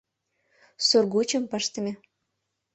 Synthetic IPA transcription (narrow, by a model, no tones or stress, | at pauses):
sorɡut͡ɕə̆mpəʃt̪ə̆mʲĕ